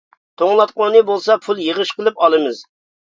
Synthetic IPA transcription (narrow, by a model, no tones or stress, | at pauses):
t̪ʰoŋlˠɑt̪̚qonɨbolˠsɑpʰulˠjeʁəʃqəlˠɨpɑlˠɨmɨz